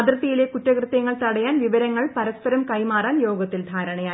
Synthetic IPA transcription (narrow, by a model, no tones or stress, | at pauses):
ɐd̪rɐt̪ːijile̞kutːɐkrɨt̪ːjɐŋːɐɭt̪ɐɽɐjaːnʋiʋɐɾɐŋːɐɭpɐɾɐspɐɾɐmkɐjmaːraːnjo̞ːɡɐt̪ːild̪ʱaːɾɐɳɐjaː